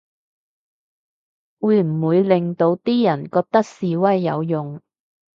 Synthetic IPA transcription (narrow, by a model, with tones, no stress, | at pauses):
wuː˨˧jm̩˨˩wuː˨˧jlɪ˨ŋt̪o˧wt̪iː˥jɐ˨˩nkɔː˧k̚t̪ɐ˥k̚siː˨wɐ˥jːɐ˨˧wjʊ˨ŋ